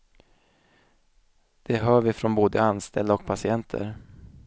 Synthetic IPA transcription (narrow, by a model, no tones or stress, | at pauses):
d̪̥ɛɦœːɾvɪfɾɔnboːd̪əanst̪ʰɛld̪aɔk̚pʰasɪɛnt̪ʰə̰ɾ